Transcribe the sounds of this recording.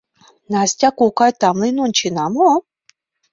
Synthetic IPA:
nasʲtʲakukajt̪amlˠinont͡ʃinamo

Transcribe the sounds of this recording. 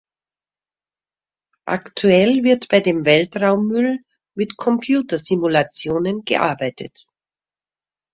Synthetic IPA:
ʔa̰ktʰuɛlvɪɐtb̥aɪdeːmvɛltʁaʊmːʏl | mɪtkʰɔmpʰjuːtɐzimulat͡sjoːnənɡ̥ə̰ʔa̰ɐbaɪtʰə̰t

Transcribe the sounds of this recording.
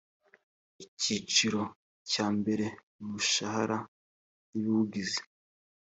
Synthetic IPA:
icit͡ʃiɾo̞ | caːmbe̞ɾe̞ | muʃahaɾa | juuɡize̥

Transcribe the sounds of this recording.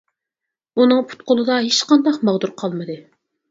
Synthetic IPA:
unɨŋpʰu̥t̪qʊlˠɨd̪ɑɦet͡ʃqɑnd̪ɑqmɑʁd̪uɾqʰɑlˠmɨd̪ɨ

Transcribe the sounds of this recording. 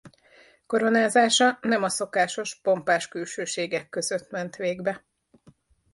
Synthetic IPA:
ko̞ɾo̞naːzaːʃɒnɛmɒso̞kaːʃo̞ʃpo̞mpaːʃkylʃøːʃeːɡɛkːø̞zøt̪mɛnt̪ʋeːɡbɛ

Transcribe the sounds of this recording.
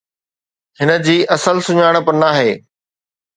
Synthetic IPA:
hɪnə̆d͡ʑiːʔɐsəlsʊɲaːɽ̃̆pɐɾnaːɦeː

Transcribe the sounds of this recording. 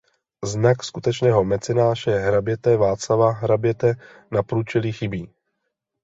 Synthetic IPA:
znakskut̪ɛt͡ʃnɛːɦo̞mɛt͡sɛnaːʒɛɦɾabjɛt̪ɛvaːt͡slavaɦɾabjɛt̪ɛ | napɾuːt͡ʃɛlixɪbiː

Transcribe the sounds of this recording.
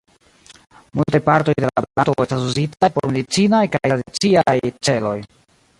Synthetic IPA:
multajpaɾto̞jdelabelatoe̞stasuzitajpoɾme̞dit͡sinajkajadit͡siajt͡se̞lo̞j

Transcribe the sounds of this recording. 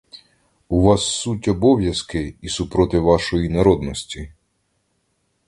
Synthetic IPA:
uʋɑsːutʲɔbɔwjɐskɪisupɾɔt̪ɪʋɑʃɔjinɐɾɔd̪nɔsʲtʲi

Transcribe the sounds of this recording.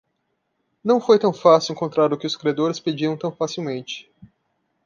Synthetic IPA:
nɐ̃w̃fojt̪ɐ̃w̃fasɪwẽŋkõnt̪ɾaɾʊkɪʊskɾiad̪oɾɪsped͡ʒiɾɐ̃w̃t̪ɐ̃w̃fasiwmẽnt͡ʃɪ̥

